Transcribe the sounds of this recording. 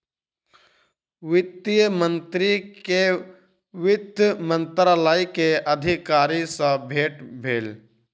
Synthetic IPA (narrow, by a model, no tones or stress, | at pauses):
ʋɪt̪ːijəmə̃nt̪ɾie | ʋɪd̪jmə̃nt̪ɾaləjkeʔɐd̪ʱikaːɾisə̃bʱeːʈbʱeːl